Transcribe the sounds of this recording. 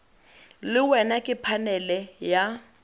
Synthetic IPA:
lɪwɛnakʼɪpʰanɛlɛja

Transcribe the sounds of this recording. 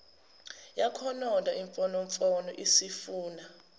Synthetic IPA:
jakʰɔnɔndʱaʔiɱfɔnoɱfʼɔnɔ̰ʔisifuːna

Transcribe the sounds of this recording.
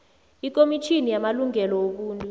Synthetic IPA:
ik̬ʼomit͡ʃʰinijamaluŋɛlɔwok̬uːntʼu

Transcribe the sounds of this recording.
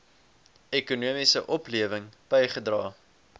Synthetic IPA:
ekunuəmisə̰ʔɔpliəvəŋb̥ɛjχədrɑː

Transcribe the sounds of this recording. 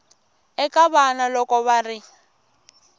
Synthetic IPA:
ɛkʼaβanalɔkɔβarɪ

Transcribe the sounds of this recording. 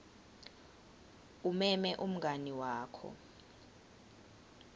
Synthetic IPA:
umɛmɛʔum̩ɡʱaniwaːkʰɔ̰

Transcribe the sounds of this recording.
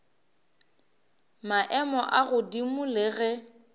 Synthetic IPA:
maʔɛmɔʔaɣʊdimʊlɪɣɛ

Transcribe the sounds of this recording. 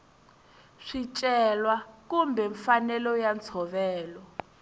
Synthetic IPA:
ʂit͡ʃʼɛlwakumbʱɛɱfanɛlɔjant͡sʰɔβɛːlɔ

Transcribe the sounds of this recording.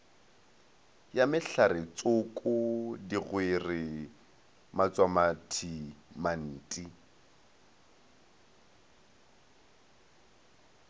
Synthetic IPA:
jamɪɬaɾɪt͡sʼʊkʼʊdiɣwerɪ | mat͡sʼwamatʰiman̩ːtʼi

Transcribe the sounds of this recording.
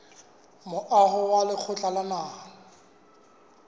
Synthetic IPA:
mʊʔaɦʊwalɪk͡xʰʊt͡ɬʼalanaːŋ̩

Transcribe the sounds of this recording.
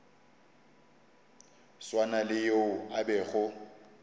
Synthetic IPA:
swanalɪjoʊabɛɣʊ

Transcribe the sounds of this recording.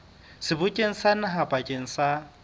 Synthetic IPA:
sɪbʊkʼeŋ̩sanaɦapʼakʼeŋ̩sa

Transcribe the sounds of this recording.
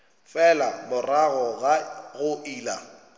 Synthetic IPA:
fɛlamʊraɣɔɣaɣʊʔiːla

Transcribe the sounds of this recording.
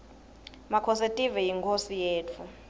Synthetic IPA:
makʰɔsetʼivɛjiŋkʰosijeːtʰu

